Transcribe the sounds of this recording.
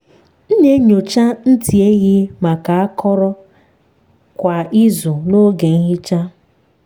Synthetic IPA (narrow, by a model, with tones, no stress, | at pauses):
n̩˦ɲe˦ɲo˨t͡ʃa˦n̩˦ti˨e˦ɣɪ˦ma˨ka˨a˦kʰɔ˦ɾɔ˦ | kʷa˨i˦zʊ˨no˦ɡe˨ŋ̩˦ɦɪ˦t͡ʃa˦